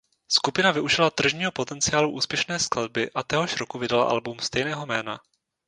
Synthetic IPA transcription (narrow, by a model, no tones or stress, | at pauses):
skupɪnavɪʔuʒɪlat̪r̩ʒɲiːɦo̞po̞t̪ɛnt͡sɪjaːluʔuːspjɛʃnɛːsklad̚bɪʔat̪ɛɦo̞ʃɾokuvɪdala̰ʔa̰lbumst̪ɛjnɛːɦo̞mɛːna̰